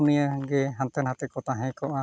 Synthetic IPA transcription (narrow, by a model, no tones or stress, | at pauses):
unijəɡɛɦant̪ɛnɦat̪ɛkɔt̪aɦɛ̃kɔʔa